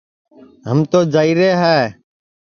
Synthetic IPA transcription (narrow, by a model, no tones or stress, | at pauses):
ɦəmt̪oːd͡ʒaːiːɾeːɦɛː